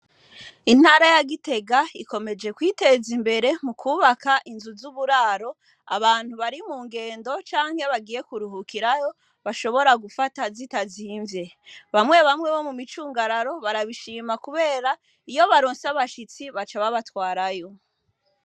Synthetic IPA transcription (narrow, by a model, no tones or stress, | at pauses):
in̥haːɾajaɡite̞ɡaiko̞me̞d͡ʒe̞kwiːte̞zimbe̞ɾe̞mukuːβakaʔinzuzuβuɾaːɾo̞ | a̰βaːn̥huβaɾimuːŋɡe̞ːndo̞t͡ʃaːŋhe̞βaɡije̞kuɾuɦukʰiɾajo̞ | βaʃo̞βo̞ɾaɡufatazitaziːɱvje̞ | βamŋe̞βamŋe̞βo̞mumit͡ʃuːŋɡaɾaɾo̞βaɾaβiʃiːmakuβe̞ːɾa | ijo̞βaɾoːnsaβaʃit͡siβat͡ʃaβaβatwaːɾajo̞